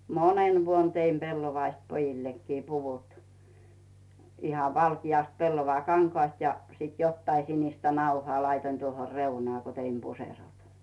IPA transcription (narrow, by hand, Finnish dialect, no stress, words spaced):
monen ʋuon teim pelːoʋɑist pojilːekːiː puʋut ihɑʋ ʋɑlkijɑˑst pelːoʋɑkɑŋkŏɑˑst jɑ sit jotːɑi sinistæ nɑuhŏɑˑ lɑitoĭn tuoho reunɑː ko teim puserot